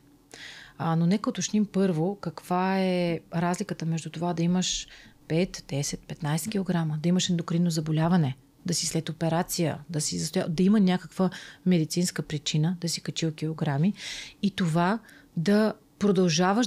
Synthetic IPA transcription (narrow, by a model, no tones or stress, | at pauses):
ənonɛkəot̪ot͡ʃnimpɤɾvokɐkv̥aɛɾazlʲikət̪əmɛʒd̪ut̪ovad̪ɐiməʃpɛt̪d̪ɛsɛt̪̚pɛt̪najsɛkʲilˠoɡɾaməd̪ɐiməʃɛnd̪okɾinːozɐbolʲavɐnɛ | d̪ɐsislɛt̪opɛɾat̪sijə̰d̪ɐsizɐst̪ojad̪ɐimənʲakəkvəmɛd̪it̪sinskəpɾit͡ʃinəd̪ɐsi̥kɐt͡ʃiokʲilˠoɡɾamiit̪ovad̪ɐ | pɾod̪ɐlˠʒavəʃ